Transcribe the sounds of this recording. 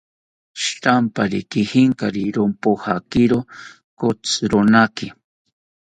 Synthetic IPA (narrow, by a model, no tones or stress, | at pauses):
ʃt̪ampaɾikɪhɪŋkaɾiɾompohakiɾo | kot͡sɾonakɪ